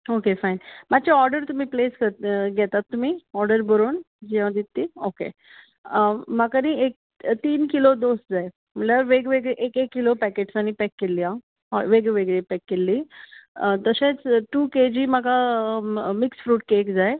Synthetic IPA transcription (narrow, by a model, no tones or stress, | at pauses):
okefainmat͡ɕeɔɾɖəɾt̪um̤ĩːpleːskəɡɛt̪at̪ːum̤iːɔɾɖəɾbəɾoːn | d͡ʑiʋãd̪it̪ːiːokḛ | makaniek̚ | t̪iːnkilod̪osd͡zae | m̤əʈlaʋeɡʋeɡeʔekekːilopɛkeʈsañipɛkːeliːã | ʋeɡeʋeɡɭepɛkːelːiː | t̪əɕẽt͡sʈuːked͡ʑiːmaka | miksfɾuːʈ̚kekd͡zae